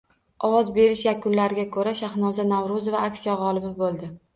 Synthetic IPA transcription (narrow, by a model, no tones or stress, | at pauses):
ɒwɒzbe̞ɾɪʃjakʰʊnlaɾɪɡʲakʰɵɾaʃahnɒzanavɾʊzvaakʲsijaʁɒlˠɪbɪbolˠd̪ɪ